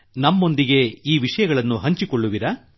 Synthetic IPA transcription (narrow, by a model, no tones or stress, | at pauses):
nɐmːo̞nd̪iɡe̞iːʋiʂɐjɐɡɐɭɐnːuɦɐɲt͡ʃikoɭːuʋiɾɐ